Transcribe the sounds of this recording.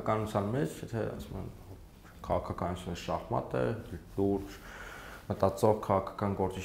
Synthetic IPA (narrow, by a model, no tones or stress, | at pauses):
kɑnut͡sʰjɑnmɛt͡ʃʰjɛt̪ʰɛ̰ɑ̰sumə̰n | kʰɑʁɑkʰɑkɑnut͡sʰunɛɾʃɑhmɑ̰t̪ɛ̰luɾt͡ʃ | mət̪ɑt͡sɔʁkʰɑʁɑkʰɑ̥kɑnɡɔɾt͡si